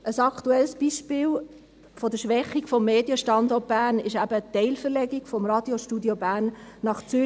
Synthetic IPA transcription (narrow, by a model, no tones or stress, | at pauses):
ʔəsɑkʰt̪uɛlsb̥iʃpɪːl | fɔd̥əʃʋɛχiɡfɔmːeːd̥jəʃtɑnd̪ɔːt̚b̥æːnɪʃæbət̪ɛɪlfəɾlɛɡiɡfɔmrɑd̥joʃtudjobæːnːɑχt͡sø